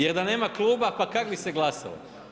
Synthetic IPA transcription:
jeɾd̪ane̞ːmaklˠuːbapakakbiseɡlˠasa̰lo̰

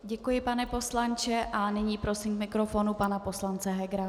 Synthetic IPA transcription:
ɟɛkujɪpanɛpo̞slant͡ʃɛʔanɪɲiːpɾo̞simkmɪkɾofo̞nupanapo̞slant͡sɛɦɛɡɾa

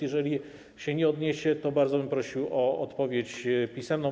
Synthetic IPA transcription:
jɛʐɛlʲi | ɕɛɲɛɔd̪ɲeɕɛt̪ɔbaɾd̪zɔbɘmpɾɔɕiwɔɔt̪pɔvʲjet͡ɕpʲisɛmnɔ̃w

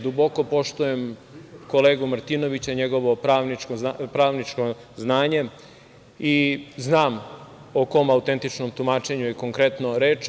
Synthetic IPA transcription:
d̪ubo̞ko̞po̞ʃt̪ujemkoleːɡumɾt̪ino̞ʋit͡ɕaɲeɡo̞ʋo̞pɾaːʋnikozapɾaːʋnit͡ʃko | znaːɲe̞ | iznaːm | oko̞maut̪e̞nt̪it͡ʃnomt̪umaːt͡ʃe̞ɲuekoŋkɾet̪noɾeːt͡ʃ

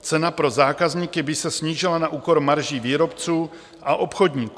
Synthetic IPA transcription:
t͡sɛnapɾo̞zaːkazɲiːkɪbɪsɛsɲiːʒɪlanaʔuːko̞ɾmaɾʒiːviːɾo̞pt͡suː | ʔaʔo̞pxo̞dɲiːku

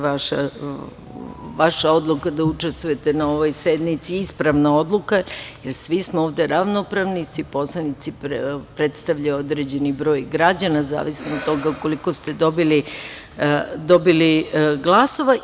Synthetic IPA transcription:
aʃa̰ | ʋaʃao̞d̪lˠukad̪aut͡ʂest̪vujet̪e̞nao̞ʋojse̞d̪nit̪siispɾaʋnao̞d̪lukajeɾsʋismooːʋd̪e̞ɾaʋnopɾaʋnisʋipo̞slˠanit̪sipɾe̞t̪st̪aʋʎajuod̪ɾe̞d͡ʑe̞nibɾo̞ːjɡɾad͡ʑanaza̰ːʋisnod̪t̪o̞ɡako̞liko̞st̪e̞d̪o̞bili | d̪o̞biliɡlˠaso̞ʋa

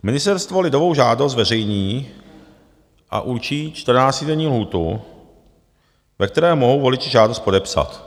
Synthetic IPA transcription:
mɪnɪst̪ɛɾst̪vo̞lɪdovowʒaːdos̬t̪vɛrɛjɲiː | ʔa̰ʔuɾt͡ʃiːt͡ʃt̪r̩naːt͡st̪ɪdɛɲiːlɦuːt̪ṵ | vɛkt̪ɛɾɛːmoɦowvo̞lɪt͡ʃɪʒaːdost̪po̞dɛpsa̰t̪

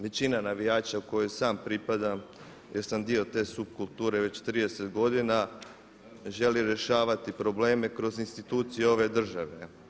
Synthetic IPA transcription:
ʋe̞t͡ɕinanaʋijaːt͡ɕauko̞jojsaːmpɾipad̪a | jʔeɾsand̪io̞t̪e̞ːsub̚kulˠt̪uːɾe̞ʋe̞t͡ɕt̪ɾiːd̪e̞se̞t̪ɡo̞d̪ina | ʒe̞liɾje̞ʃaːʋat̪ipɾo̞ble̞ːme̞kɾo̞zinst̪it̪uːt̪sije̞o̞ʋe̞d̪r̩ʒaʋe̞

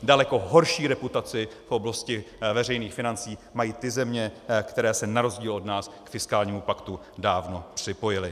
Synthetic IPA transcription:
dalɛko̞ɦo̞ɾʃiːɾɛput̪at͡sɪfʔo̞blascɪvɛr̝ɛjniːxfɪnant͡siːmajiːt̪ɪzɛmɲɛkt̪ɛɾɛːsɛnaɾo̞zɟiːlo̞dnaːskfɪskaːlɲiːmupakt̪u | daːvno̞pr̝̥ɪpo̞jɪlɪ

